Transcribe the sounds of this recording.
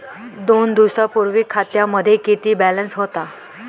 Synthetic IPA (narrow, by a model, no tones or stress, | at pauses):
d̪ond̪usɾapuɾʋikʰːat̪jaməd̪ʱːjekit̪iːbælənsɦot̪a